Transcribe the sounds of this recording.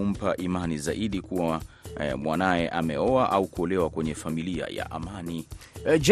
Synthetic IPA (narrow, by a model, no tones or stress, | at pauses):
um̩paʔimanizaʔiɗikuwamwanajɛʔamɛɔaʔaukuɔlɛwakwɛɲɛfamilia̰ja̰ʔamanid͡ʒ